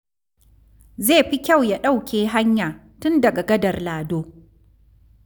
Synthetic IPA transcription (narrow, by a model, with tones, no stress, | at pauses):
zeː˦˨ɸi˦kʲa˦˨wja˦ɗa˦˨wkʲeː˦ɦa˦ɲjaː˨ | tʊ˦ndɐ˨ɡa˨ɡɐ˦dɐ˨rlaː˨doː˦